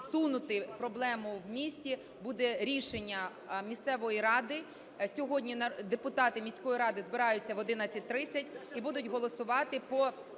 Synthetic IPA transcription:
sunʊt̪ɪpɾɔblˠɛmʊwmʲisʲtʲi | bud̪ɛɾʲiʃenʲːɐ | mʲist̪sɛʋɔjiɾɑd̪ɪ | sʲɔɦɔdʲnʲinɐd̪epʊt̪ɑt̪ɪmʲisʲkɔjiɾɑd̪ɪzbɪɾɑjʊt͡sʲːɐʋɔd̪ɪnɐt͡sʲɐt̚ʲt̪ɾɪt͡sʲːɐtʲibud̪ʊtʲɦɔlˠɔsʊʋɑt̪ɪpɔ

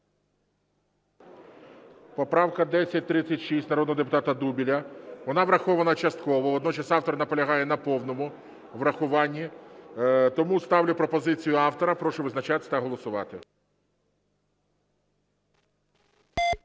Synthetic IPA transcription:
pɔpɾɑwkɐd̪ɛsʲːɐt̚ʲt̪ɾɪt͡sʲːɐtʲʃisʲtʲnɐɾɔd̪nɔɦɔd̪ep̬ʊt̪ɑt̪ɐd̪ubʲilʲɐʋɔnɑʋɾɐxɔʋɐnɐt͡ʃɐst̪̚kɔʋɔʋɔd̪nɔt͡ʃɐsɑwt̪ɔɾɐnɐpɔlʲɐɦɑjɛnɐpɔwnɔmʊ | ʋɾɐxʊʋɑnʲːi | t̪ɔmust̪ɑwlʲʊpɾɔpɔzɪt͡sʲijʊɑwt̪ɔɾɐpɾɔʃʊʋɪznɐt͡ʃat̪ɪt̪ɐɦɔlˠɔsʊʋɑ̰t̪ɪ

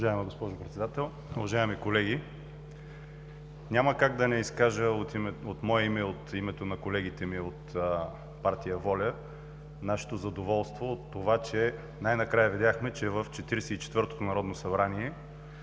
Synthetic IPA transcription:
ʊvɐʒaɛmɐɡospɔʒopɾɛt̪sɛd̪at̪ɛlˠ | uvɐʒaɛmikolɛɡi | nʲamɐkaɡd̪ɐnɛiskaʒəot̪ot̪mɔɛimɛot̪imɛt̪onɐkolɛɡit̪ɛmiot̪ | paɾt̪ijəvɔlʲə | naʃɛ̥t̪ozɐd̪ovɔlˠst̪voot̪ːovat͡ʃɛ | najnɐkɾajɐvid̪ʲjaxmɛt͡ʃɛvəft͡ʃɛt̪iɾɛsɛit͡ʃɛ̥t̪vɤɾt̪o̥t̪onɐɾɔd̪nosɐbɾaniɛ

